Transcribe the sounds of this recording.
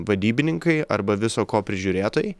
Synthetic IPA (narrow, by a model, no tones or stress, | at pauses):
ʋɐd̪ʲiːbʲɪnʲɪŋkɐɪɐ̰ɾbɐʋʲɪsoːkoːpʲɾʲɪʒʲʊɾʲeːt̪ojɛɪ